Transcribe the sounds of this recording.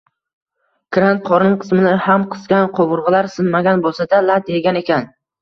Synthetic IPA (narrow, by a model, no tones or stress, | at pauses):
kɾant̪̚qʰɒɾnɪŋqʰɨ̥smɪnɪhamqʰɨ̥sɡʲanqʰobʊɾʁɨlaɾsɪnmaɡʲanbolˠsad̪alat̪e̞ɡʲane̞kʲʰan